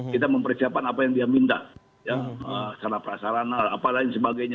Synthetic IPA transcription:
kit̪aməmpərsiap̚kanapajaŋdiamint̪a̰ | jaəsanapəɾasaɾanaapalaiŋsəbaɡajɲa

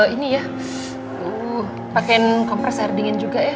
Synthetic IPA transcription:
inija | u | pakɛnkɔmpɾɛsardiŋand͡ʒuɡaja

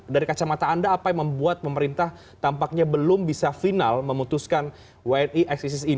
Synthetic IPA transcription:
daɾikat͡ʃamat̪aːndaːpajaməmbuat̪̚pəməɾint̪ah | t̪ampak̚ɲabəlʊmbisafinalməmut̪uskan | waɛniʔɛksis̬ɪsi

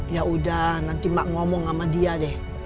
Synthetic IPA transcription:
jaudahnant̪imaʔŋɔmɔŋamadiadɛh

